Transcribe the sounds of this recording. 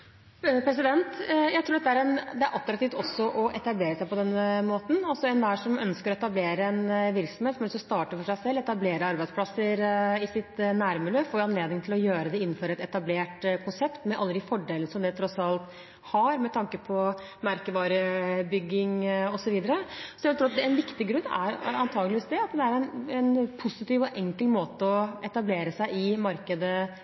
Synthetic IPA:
pʰɾɛs̬ɪd̪ɛnt̪jæɪt̪ɾuːɖɛt̪ːəæɾɛnd̪ɛæɾʔɑt̪ːɾɑkt̪ift̪ɔsːɔʔɔʔɛt̪ɑbleːɾəsæɪpɔd̪ɛnːəmoːt̪n̩ɑlsɔɛnd̪æːʂɔmœnskəɾɔɛt̪ɑbleːɾəɛnʋɪɾksɔm̩heːt̪sɔmɛlsɔst̪ɑːʈəfɔʂæɪsɛlːɛt̪ɑbleːɾəɑɾbæɪspʰlɑsːəɾɪsɪt̪næːɾmʉløːfoːɾɑnleːd̪ɪŋt̪ʰɪlɔjøːɾəd̪ɛɪn̩ːføːɾɛt̪ɛt̪ɑbleːʈkʰʊnsɛpt̪mɛʔɑlːəd̪ɪfɔɖeːlnəsɔmd̪ɛt̪ʰɾɔsɑlt̪ | hɑɾmɛt̪ʰɑŋkəpʰɔ | mæɾkəʋɑːɾəbʏɡːɪŋɔsɔʋiːd̪əɾəsɔɛʋɛlt̪ʰɾuːɑt̪̚d̪ɛɛnʋɪkt̪ɪɡɾʉnːæ̰ɾɑnt̪ʰɑːɡəlɪʋiːsd̪ɛɑt̪d̪ɛæɾɛnɛnpʰʊsɪt̪iːʋɔʔɛŋkəlmoːt̪əɔɛt̪ɑbleːɾəsæɪɪmɑɾkəd̪ə

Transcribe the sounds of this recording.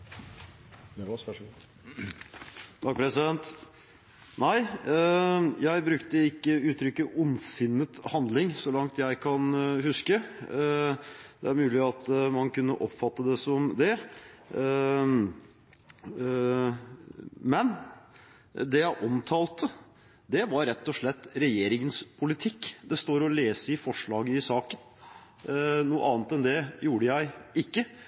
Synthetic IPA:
t̪ʰɑk̚pʰɾɛsɪd̪ɛnt̪ | næɪ | jæɪbɾʉkt̪əɪkːəʉːt̪ʰɾʏkːəʔʊnsɪnːət̪hɑnd̪lɪŋsɔlɑŋt̪jæɪkʰɑnhʉskə | d̪ɛæɾmʉːlɪɑt̪mɑnkʉnːəʔɔpːfɑt̪ːəd̪ɛsɔmd̪ɛ | mɛn | d̪ɛjæɪʔɔmt̪ʰɑːlt̪ʰə | d̪ɛʋɑɾɾːɛt̪ːɔʂɭɛt̪ːɾɛjeːɾɪŋənspʰʊlɪt̪ʰɪkːd̪ɛst̪oːɾɔleːsəɪfɔʂɭɑːɡəɪsɑːkən | nuːəʔɑːnt̪ɛnd̪ɛjuːɖəjæɪɪkːə

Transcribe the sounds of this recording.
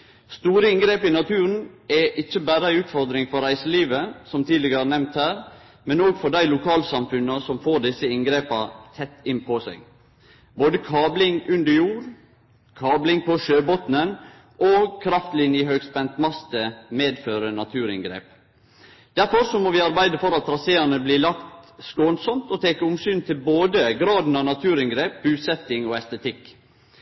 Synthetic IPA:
st̪uːɾəɪŋɡɾeːpɪnɑt̪ʰʉːɾən̩ɛʔɪçːəbæːɾəæɪʉːt̪fɔɾd̪ɾɪŋfɔɾæɪsəliːʋəsɔmt̪ʰiːlɪɡənɛmnt̪hæːɾ | mɛnoːɡfɔɖæɪlʊkʰɑːlsɑmfʉnəsɔmfoːɖɪsəɪŋɡɾeːpɑt̪ʰɛt̪ːɪnpʰɔsæ̰ɪɡ | boːd̪əkʰɑːblɪŋʉnd̪əɾjuːɾ | kʰɑːblɪŋpʰɔʃøːbɔt̪nən | ʔɔkʰɾɑft̪lɪnjəhøɡspɛnt̪mɑst̪əmeːd̪føːɾənɑt̪ʰʉːɾɪŋɡɾḛːp | d̪̥æɾfɔɾsɔmoːʋɪɑɾbæɪd̪əfɔɾɑt̪ɾɑseːɑnəbliːlɑkt̪skoːnsɔmt̪ɔt̪ʰeːkəʊmsyːnt̪ʰɪlboːd̪əɡɾɑːd̪n̩ɑːnɑt̪ʰʉːɾɪŋɡɾeːp̚bʉːsɛt̪ɪŋɔɛst̪ət̪ʰɪk

